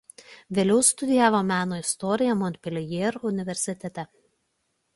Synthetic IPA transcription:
ʋʲeːlʲɛʊst̪ʊd̪ʲɪjæːʋoːmʲæːnoːɪst̪ɔɾʲɪjɛmɔnt̪̚ʲpʲɛlʲɛjeːɾʊnʲɪʋʲɛɾʲsʲɪt̪ʲɛt̪ʲɛ

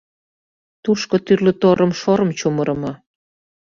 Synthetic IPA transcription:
t̪uʃkot̪yrlə̆t̪oɾɤmʃoɾəmt͡ɕumɤɾəmɑ

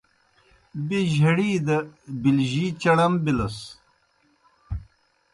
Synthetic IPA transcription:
beʑɐɽiːd̪ɐbilʑiːt͡ɕɐɽɐmbilɐs

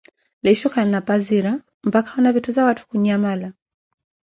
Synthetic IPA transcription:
lɛʃɔkanapaziɾa | m̩pakḁunavituzawatu̥kuɲamala

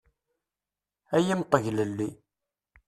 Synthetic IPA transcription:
æjimqːəʝləlːi

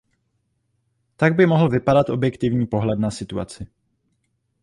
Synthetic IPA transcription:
t̪aɡ̚bɪmo̞ɦl̩vɪpadat̪ʔo̞bjɛkt̪ɪvɲiːpo̞ɦlɛd̪nasɪt̪ua̰t͡sɪ

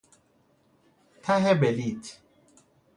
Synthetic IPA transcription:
tʰaɦɛbɛlit

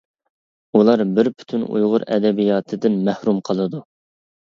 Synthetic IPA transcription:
ulˠɑɾbɪɾpʰy̥t̪ʰynṵjʁʊɾɛ̰d̪ɛbijɑːt̪ʰɨd̪ɪnmæhɾumqʰəlˠɨd̪u

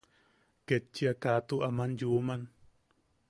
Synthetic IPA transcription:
ket͡ʃːiakat̪uʔamanjuːman

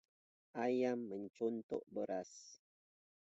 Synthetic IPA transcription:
ajamːəɲt͡ʃɔnt̪o̰ʔbəɾas

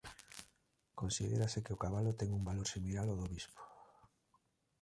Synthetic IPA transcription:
kõnsiðḛɾasekeokaβalʊt̪ɛŋumbaloɾsimilaloðoβispo̥

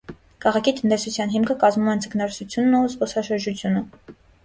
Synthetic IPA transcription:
kʰɑʁɑkʰit̪ənt̪ɛsut͡sʰjɑnɦimkʰəkɑzmumɛnt͡sʰəkʰnɑɾsut͡sʰjunːuzbɔsɑʃəɾd͡ʒut͡sʰjunə

